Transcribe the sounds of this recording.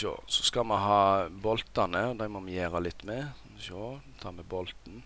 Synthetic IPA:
o̰ːsɔskɑmɑnɦɑːbɔlt̪ɑnəɔd̪æɪmɔmɑjeːɾɑlɪt̪ːmɛ | ʃoːt̪ʰɑːmɛbɔlt̪n̩

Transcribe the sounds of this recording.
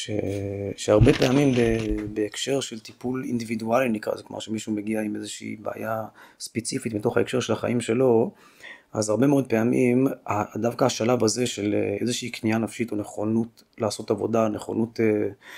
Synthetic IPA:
ʃeʃehaʁbe̞peamimbebeːkʃe̞ʁʃelt̪ipulḭnd̪ividualinikʁa̰zekloma̰ʁʃemiʃumeɡiaimezeʃḭːbḛːjaspet͡sifitmito̞χaekʃe̞ʁʃe̞laχa̰ʔimʃe̞lo̞ | ʔa̰zaʁbe̞meo̞d̪̚peamimad̪avkaaʃalavaze̞ʃelḛezeʃiːknianafʃito̞ne̞χonut | laːso̞tavo̞̰daneχo̰nute

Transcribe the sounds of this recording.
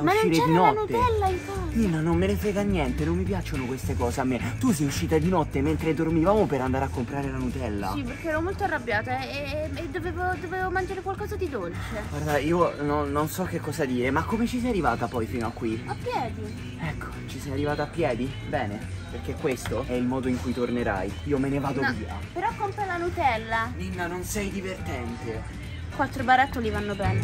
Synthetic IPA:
aumaʃiːɾed̪inɔtnut̪ːeɛllːaifapimːanomːelefɾɛːɡanːjɛnt̪enomːipjat͡ʃonokwest̪ekɔːzeamːet̪us̬ɛjuʃːiːt̪ad̪inɔt̪ːement̪ɾed̪ormivaːmopeɾand̪aːɾeakːompɾaːɾelanut̪ɛlːa̰siperkeɛɾomolt̪oarːabjaːt̪oɛed̪ːoveːvod̪oveːvomand͡ʒaːɾekwalkɔːzad̪id̪olt͡ʃeɡward̪aiːononːonsɔk̟ːekːɔzad̪iːɾemakːomet͡ʃisɛjarivaːt̪apɔjfiːnoakːwiapːjɛːd̪i | ɛkʰːo̥t͡ʃisɛjarːivaːt̪aːpːjɛːd̪i | bɛːneperk̟ekːwest̪oɛilmɔːd̪oiŋkujt̪orneɾa̰jiːomenevaːd̪oiːa̰peɾɔkːompalanut̪ɛlːaninːanonsɛjd̪ivert̪ɛnt̪e | kwat̪ːɾobaɾat̪ːolivanːobɛːne

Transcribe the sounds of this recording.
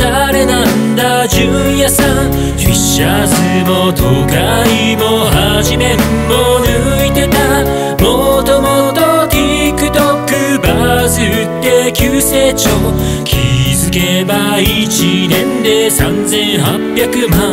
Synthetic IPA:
aɾe̞nand̪a | ʑɨ̃ | jasã | ɕiɕːa | sɨmo̞t̪ʰoɡa | i | mohaʑime̞mmonɯit̪e̞t̪a | mot̪omot̪ok̪ʲikɯ̟t̪okɯbazɨ | tt̪ːe̞kʲɨse̞t͡ɕo | kʲʰizɨke̞ba | it͡ɕinẽ̞nd̪e̞sãnzẽ̞ɰ̃hapʲjakɯ̟ma

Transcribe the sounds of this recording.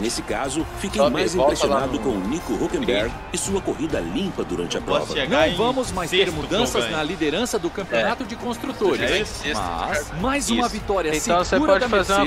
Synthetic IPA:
nesɪkazʊfikemajzĩɾesionad̪ʊkõʊnikʊhokẽbɛɾɡ | ɪsuɐkohid̪ɐlĩpɐd̪uɾɐ̃nt͡ʃɪɐpɾ̰vɐnɐ̃w̃vɐ̃mʊzmajst̪eɾmud̪ɐ̃sɐznɐlid̪eɾɐ̃sɐd̪ʊkɐ̃mpionat̪ʊd͡ʒɪkõst̪ɾut̪oɾɪssa̰majzũmɐvit̪ɔɾjɐ̃siɐ̃w̃seuɾpɐɔd͡ʒfazeɾɾ

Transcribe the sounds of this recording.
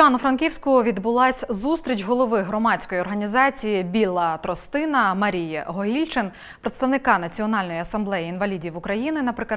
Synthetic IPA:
ɑnʊfɾɐnkʲiwsʲkʊʋʲid̪bʊlˠɑsʲzust̪ɾʲit͡ʃʲɦɔlˠɔʋɪɦɾɔmɑt͡sʲkɔjɔrɦɐnʲizɑt͡sʲijibʲilˠɐt̪ɾɔst̪ɪnɐmɐɾʲijɛɦɔɦʲilʲt͡ʃɪn | pɾet̪st̪ɐʋnɪkɑnɐt͡sʲiɔnɑlʲnɔjiɐsɐmblˠɛjiinʋɐlʲidʲiʋʊkɾɐjinɪnɐpɾɪkɐ

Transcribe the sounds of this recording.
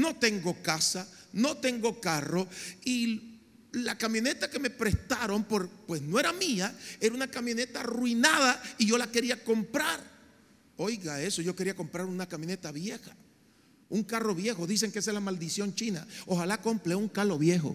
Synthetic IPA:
no̞t̪e̞ŋɡo̞kasano̞t̪e̞ŋɡo̞karo̞i | lakamjo̞ne̞t̪ake̞me̞pɾe̞st̪aɾo̞mpoɾpwe̞snoeɾamiae̞ɾaunakamjõ̞ne̞t̪aːrwinaðaiʝo̞lake̞ɾiako̞mpɾaɾ | o̞jɣae̞so̞ʝo̞ke̞ɾiako̞mpɾaɾunakamjo̞ne̞t̪aβje̞xḁ | uŋkaro̞βje̞xo̞ðis̬e̞ŋkeselamald̪isjo̞nt͡ʃinao̞xalako̞mpleuŋkalo̞βje̞xo̞̰

